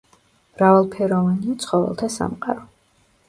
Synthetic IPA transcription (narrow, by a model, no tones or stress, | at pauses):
mɾavalˠpʰɛɾɔvaniat̪sʰχɔvɛ̰lˠt̪ʰasa̰mqʼa̰ɾɔ